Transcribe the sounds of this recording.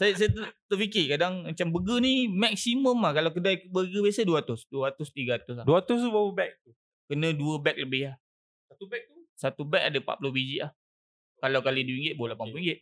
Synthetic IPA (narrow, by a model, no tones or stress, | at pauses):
sajas̬ajat̪ət̪ərfikɪkadaŋmat͡ʃambəɡənimak̚siməmahkalawkədajbəɡəbiasəduat̪ʊsduəat̪ʊst̪iɡaat̪ʊsaduat̪ʊs̬t̪ubawəbɛk̚t̪u | kənə̃duəbɛk̚ləbɪɦah | sat̪ubɛk̚t̪usat̪ubɛk̚adapa̰ʔpulʊhbid͡ʒiʔlah | kalawkaliduiŋɡɪt̪̚bolapanpluiŋɡɪt̪̚